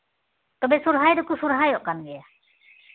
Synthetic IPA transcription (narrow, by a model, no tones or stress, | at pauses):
t̪ɔbɛsuɾɦajdɔkusuɾɦajɔʔkanɡɛja